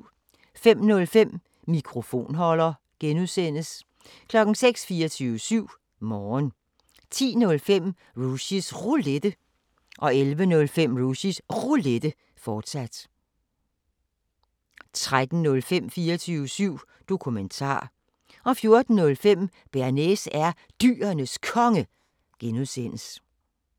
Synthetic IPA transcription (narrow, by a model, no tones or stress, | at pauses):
fem̰nɔ̽lfem̰ | mikʰʁo̝fo̝̰ːnɦɒ̽lɐ | ɡ̥enuðˠsen̰əs | kʰlɒ̽ɡ̥n̩seɡ̥sfiːɒt͡sʰyːʊəsyʊ̰ | mɒːn | t͡sʰḭːnɔ̽lfem̰ | ʁuɕisʁuled̥ə | ʔɒ̽elʋənɔ̽lfem̰ʁuɕisʁuled̥ə | fɒːd̥sæd̥ | t͡sʰʁad̥n̩nɔ̽lfem̰fiːɐt͡sʰyːʊəsyʊ̰ | d̥o̝kʰument͡sʰɑ̰̈ː | ʔɒ̽fjo̝ɐd̥n̩nɔ̽lfem̰ | b̥æɐnesæɐ | d̥y̰ːɐnəskʰɒ̽ŋə | ɡ̥enuðˠsen̰əs